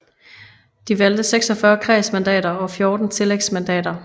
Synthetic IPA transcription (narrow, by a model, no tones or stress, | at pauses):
d̥iʋæld̥əseɡ̥sɒ̽fɶɐkʰʁɛːsmænd̥ɛ̰ːɾɐɒ̽fjo̝ːd̥n̩t͡sʰe̝leɡ̥smænd̥ɛ̰ːd̥ɐ